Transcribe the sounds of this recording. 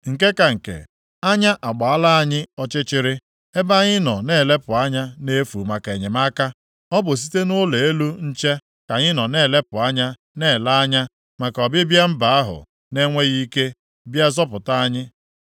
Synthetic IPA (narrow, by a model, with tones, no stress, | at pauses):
ŋ̩˨ke˦ka˨ŋ̩˨kḛ˨ | a˦ɲa˦ʔa˨ɡ͡ba˨a˦la˦a˦ɲɪ˦ɔ˦t͡ʃɪ˦t͡ʃɪ˦ɾɪ˦ | e˦ba˦ɲɪ˦nɔ˨ne˦˨le˦pʊ˨a˦ɲa˦ne˦fṵ˨ma˨ke˨ɲe˨ma˦ka˦ | ɔ˦bʊ˨s̬i̥˦te˦nʊ˦le˨e˦lu˦n̩˦t͡ʃe˦ | ka˨ɲɪ˦nɔ˨ne˦˨le˦pʊ˨a˦ɲa˦ | ne˦˨la˦ɲa˦ | ma˨kɔ˨bɪ˦bja˦m̩˦ba˨a˦ɦʊ̰˨ | ne˦ŋʷe˦ɣi˦ke˦ | bja˦zɔ˦pʊ˨ta˦a˦ɲɪ˦